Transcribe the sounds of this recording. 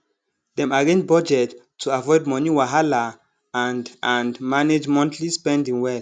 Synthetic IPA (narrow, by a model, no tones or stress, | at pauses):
dɛ̃maɡẽn̚bɔd͡ʒɛtʰː | uavɔɪd̚mɔniwaɦala | ãndʔãnmaned͡ʒmɔ̃ntʰlispɛ̃ndĩŋwɛl